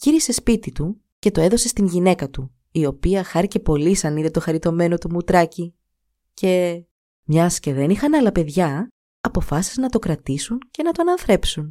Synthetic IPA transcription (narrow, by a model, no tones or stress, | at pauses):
ciɾise̞spit̪it̪u | ce̞t̪o̞e̞ðo̞se̞st̪inʝine̞kɐt̪u | io̞piɐxɐɾice̞po̞lisɐniðe̞t̪o̞xɐɾit̪o̞me̞no̞t̪umut̪ɾɐci | cʰe̞ | mɲɐsce̞ðe̞nixɐnɐlɐpe̞ðʝɐ | ɐpo̞fɐsi̥znɐt̪o̞kɾɐt̪isunce̞nɐt̪oɐnɐnθɾe̞psun